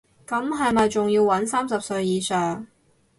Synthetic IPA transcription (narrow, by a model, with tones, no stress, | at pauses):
kɐ˨˥mɦɐ˨jmɐ˨jt͡sʊ˨ŋjiː˧wɐ˨˥nsaː˥msɐ˨p̚sɵ˧ɥjiː˨˧sœː˨˩ŋ